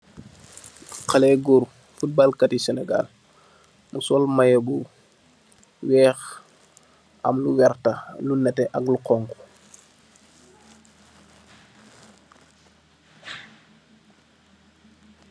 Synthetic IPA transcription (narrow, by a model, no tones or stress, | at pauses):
qalɛɡuɾ | fut̚balkatisɛnɛɡa̰l | musɔlmajɐɡu | wɛːx | ɐ̰mluwɛrtalunɛtɛʔɐkluqɔŋku̥